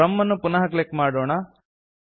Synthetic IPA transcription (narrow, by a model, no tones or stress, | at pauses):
ɐmːɐnːupunɐɦɐklekːmaːɽoːɳa